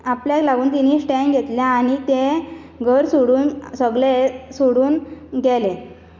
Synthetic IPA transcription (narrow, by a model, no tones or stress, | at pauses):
apljaklaɡuːnt̪inisʈɛ̃ŋɡʱet̪ljãaɽ̃it̪ẽ | ɡʱəɾsoɽuːnsəɡɭesoɽuːnɡɛlẽ